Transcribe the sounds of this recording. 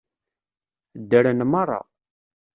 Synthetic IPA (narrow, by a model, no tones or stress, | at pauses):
d̪ːəɾənmɑrˤːɑ̰